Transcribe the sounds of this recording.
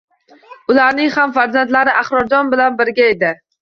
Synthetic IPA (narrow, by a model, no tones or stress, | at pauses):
ʊlaɾnɪŋhamfaɾzant̪laɾɪʔaχɾɒɾd͡ʒɒnbɪlanbɪɾɡʲae̞d̪ɪ